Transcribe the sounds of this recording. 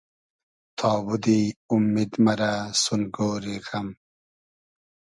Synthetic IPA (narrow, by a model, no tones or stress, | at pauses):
t̪ʰɑːbud̪iumːid̪mɐɾasunɡoːɾiɣɐm